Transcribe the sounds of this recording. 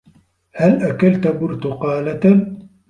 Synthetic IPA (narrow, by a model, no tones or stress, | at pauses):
halʔakalt̪bʊɾt̪ʊqɑːlat̪a